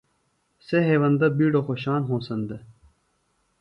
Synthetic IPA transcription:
seɦeːʋɐnd̪ɐbiːɖoxoɕaːnɦõːsɐnd̪ɐ

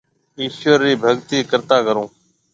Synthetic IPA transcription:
iːʃəɾːiːbʱəɡt̪iːkəɾt̪aːkəɾõː

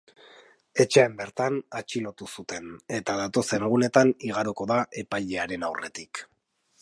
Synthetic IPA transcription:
e̞t͡ʃe̞ːmbe̞ɾt̪anat͡ʃilo̞t̪usut̪e̞ne̞t̪aðat̪o̞senɣune̞t̪aniɣ̞aɾoko̞ðaʔe̞pajʎe̞aɾe̞nawre̞t̪ik

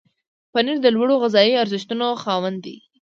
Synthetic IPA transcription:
paniɾd̪əlwaɽoɣɪzɑiaɾzɪʃt̪unoxɑwand̪ḭ

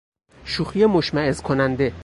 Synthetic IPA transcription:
ʃuxijemoʃmæezkʰonænd̪e̞

